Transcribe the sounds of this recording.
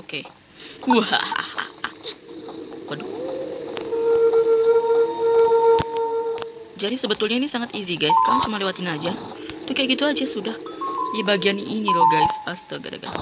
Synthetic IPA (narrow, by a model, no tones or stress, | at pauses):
oke | uhaa̰ha̰ | pədu | d͡ʒadisəbət̪ulɲainisaŋat̪iziɡajskaɾaŋt͡ʃumalewat̪inad͡ʒa | t̪uhkajaɡit̪uad͡ʒasudahjabaɡianiʔiniloɡajsast̪əɡa̰da̰ɡa̰